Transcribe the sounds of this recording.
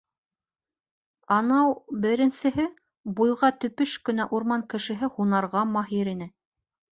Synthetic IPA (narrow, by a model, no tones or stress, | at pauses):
ɑnɑwbɘ̆ɾɘ̆nsɘ̆ɦɘ | bujʁɑt̪ɵ̆pɵʃkɵ̆næʔuɾmɑŋkɘ̆ʃɘ̆ɦɘhunɑɾʁɑmɑɦiɾinɘ